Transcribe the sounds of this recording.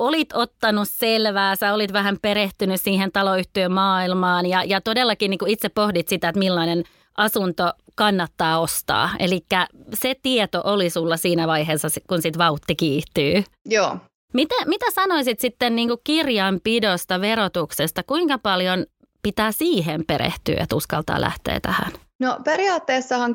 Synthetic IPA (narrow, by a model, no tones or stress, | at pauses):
olit̪ot̪ːɑnusselʋæːsæolit̪ʋæhæmpeɾeht̪ynyssiːhent̪ɑloyht̪øːmmɑːilmɑːnjɑjɑt̪odelːɑkiniŋkuit̪sepːohdit̪sit̪æet̪milːɑinen | ʔɑsunt̪okɑnːɑt̪ːɑːost̪ɑ̰ːḛlikːæset̪iet̪oʔolisulːɑsiːnæʋɑiɦeːsːɑskunsit̪ʋɑut̪ːikiːt̪yːjoː | mit̪æmit̪æsɑnoisit̪sit̪ːenniːŋkukkirjɑmpidost̪ɑʋeɾot̪uksest̪ɑkuiŋkɑpɑljon | pit̪æːsiːɦempeɾḛht̪y̰ːḛt̪uskɑ̰lt̪ɑ̰ːlʔæ̰ht̪ḛːt̪æhæ̰n | nopeɾiɑːt̪ːeːsːɑhɑŋ